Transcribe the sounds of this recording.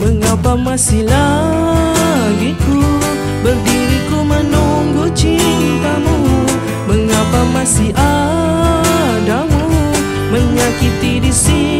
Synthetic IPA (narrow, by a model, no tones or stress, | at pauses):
bəŋapamasila | ɡiku | bədiɾikumənɔŋɡut͡ʃit̪amu | bəŋapamasiʔa | damu | məɲakit̪idisi